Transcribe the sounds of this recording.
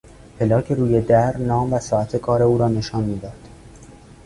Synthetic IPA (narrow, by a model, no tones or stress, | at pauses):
pʰe̞lɒːcʰeɾuːjed̪æɾnɒːmvæsɒːæt̪ʰe̞kʰɒːɾe̞uːɾɒːne̞ʃɒːnmiːd̪ɒːd̪̥